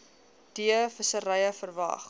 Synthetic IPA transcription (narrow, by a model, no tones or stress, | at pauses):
d̥iəfəsəɾɐjəfərvɐ̰χ